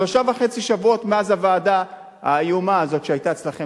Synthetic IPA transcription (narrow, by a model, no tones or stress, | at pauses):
aʃavaχe̞t͡siʃavuo̞tmeazavaːda | a̰jumaːzo̞tʃeajtaet͡slaχe